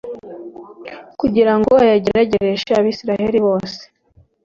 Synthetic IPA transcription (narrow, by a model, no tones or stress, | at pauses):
kuɟiɾaŋɡoajaɟiaɟeɾeʃaβiːsiɾaheɾiβo̞ːse̥